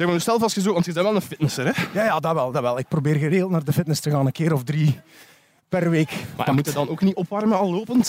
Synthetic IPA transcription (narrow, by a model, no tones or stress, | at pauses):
sɛmənsɛlˠfɑlˠstxəzoːʋɑntəzɛnʋɛlˠənfɪtnəsəɾɛjaːjaːdɑʋɛlˠdɑʋɛlˠɪk̚probeːrɣəreːɣlˠtnaːrdəfɪtnəstəɣaːnəkeːɾɔfdri | pɛrʋeːkma̰ɛ̰mutədɑnoːkniɔpʋɑrməɑlːoːpənt